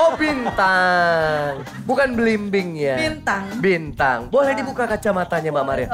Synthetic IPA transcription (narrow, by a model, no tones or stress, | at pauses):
obint̪a | ŋ | bukanbəlimbɪŋjaint̪aŋbint̪aŋbolɛhdibukakat͡ʃamat̪aɲamaʔmaɾia